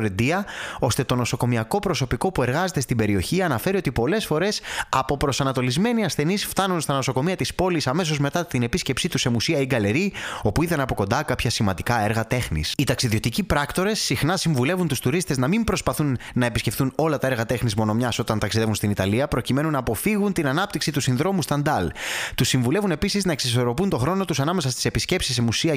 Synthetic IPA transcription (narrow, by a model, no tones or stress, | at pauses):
ɾend̪iɐo̞st̪e̞t̪o̞no̞so̞ko̞miɐko̞pɾo̞so̞piko̞pue̞ɾɣɐze̞t̪e̞st̪ibe̞ɾio̞çiɐnɐfe̞ɾio̞t̪ipo̞le̞sfo̞ɾe̞sɐpo̞pɾo̞sɐnɐt̪o̞lizme̞niɐsθe̞nisft̪ɐnunst̪ɐno̞so̞ko̞miɐt̪ispo̞lisɐme̞so̞zme̞t̪ɐt̪ine̞pisce̞psit̪use̞musiɐiɡɐle̞ɾio̞puiðɐnɐpo̞ko̞nd̪ɐkɐpçɐsimɐnd̪ikɐe̞ɾɣɐt̪e̞xnḭsit̪ɐksiðio̞t̪icipɾɐkt̪o̞ɾe̞sːixnɐsiɱvule̞vunt̪ust̪uɾist̪e̞znɐmimbɾo̞spɐθunːɐepisce̞fθuno̞lɐt̪ɐe̞ɾɣɐt̪e̞xnizmo̞no̞mɲɐso̞t̪ɐnt̪ɐksiðevunst̪init̪ɐliɐpɾo̞cime̞nunɐːpo̞fiɣunt̪inɐnɐp̚t̪iksit̪usinðɾo̞must̪ɐnd̪ɐlt̪usːiɱvule̞vune̞pisiznɐeksis̬o̞ɾo̞punt̪o̞xɾo̞no̞t̪usɐnɐme̞sɐst̪ise̞pisce̞psisːemusiɐ